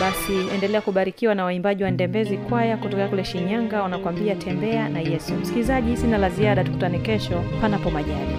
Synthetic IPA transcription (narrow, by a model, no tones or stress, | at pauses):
ɓasiɛndɛlɛakuɓaɾikiwanawaimbaʄiwandɛmbɛzikwajakutɔkaakulɛʃiɲaŋɡawanakwambiatʰɛmbɛanajɛsum̩si̥kilizaʄisinalaziaɗatu̥kutanikɛʃɔpanapɔmaʄaɾi